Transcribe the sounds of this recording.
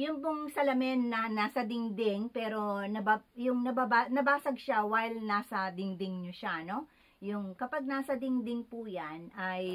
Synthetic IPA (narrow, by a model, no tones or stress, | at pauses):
jʊŋpʊŋsɐlɐmɛnːɐnaːsɐd̪ɪŋd̪ɪŋpɛːɾo̞nɐbajʊŋnɐbabanɐbaːsɐɡ̚ʃawajlnaːsɐd̪ɪŋd̪ɪŋɲoʃano̞ | jʊŋkɐpaɡ̚naːsɐd̪ɪŋd̪ɪŋpʊjanʔɐj